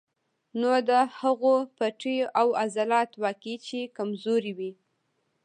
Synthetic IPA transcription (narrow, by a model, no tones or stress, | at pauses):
nod̪əhaɣopaʈəjoʔawazalɑt̪wɑkit͡ʃekamzoɾiwi